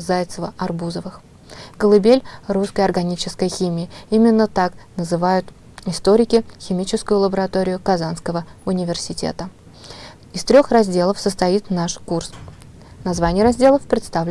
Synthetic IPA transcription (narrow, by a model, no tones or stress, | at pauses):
zajt̪səvəɐrbuzəvɨx | kəlˠɨbʲelʲruskəjɐrɡɐnʲit͡ɕɪskəjəxʲimʲɪjɪimʲɪnːət̪aknəzɨvajʊt̪ | ɪst̪o̞ɾʲɪkʲɪxʲɪmʲit͡ɕɪskʊjʊlˠəbəɾɐt̪oɾʲɪjʊkɐzanskəvəʊnʲɪvʲɪrsʲɪtʲḛt̪ə | ɪst̪ɾʲo̞xrɐzʲdʲe̞lˠəfsəst̪ɐit̪naʂkurs | nɐzvanʲɪjəɾɐzʲdʲe̞lˠəfpɾʲɪt̪st̪avl